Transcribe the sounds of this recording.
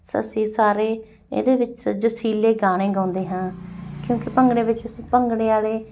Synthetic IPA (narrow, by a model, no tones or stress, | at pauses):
sə̰sĩːsaːɾeː | ḛːd̪eːʋɪt͡ʃd͡ʒosiːleːɡaːɽ̃ẽːɡãːnd̪eːɦãːkjõːkɪpəŋɡɽeːʋɪt͡ʃəsĩːpəŋɡɽeːaːleː